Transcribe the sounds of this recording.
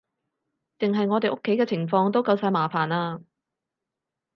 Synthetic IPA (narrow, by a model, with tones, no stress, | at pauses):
t͡sɪ˨ŋɦɐ˨jŋɔː˨˧t̪e˨jʔʊ˥kʰːe˨˥jkɛː˧t͡sʰɪ˨˩ŋfɔː˧ŋt̪o˥wkɐ˧wsaː˧jmaː˨˩faː˨˩naː˧